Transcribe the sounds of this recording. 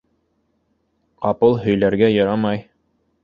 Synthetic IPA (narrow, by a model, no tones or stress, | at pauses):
qɑpɤlˠɦɵ̆jlæɾɡæjɤ̆ɾɑmɑj